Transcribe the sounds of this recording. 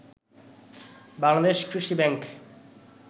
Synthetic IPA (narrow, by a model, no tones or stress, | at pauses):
baŋlad̪eʃkɾiʃibɛŋk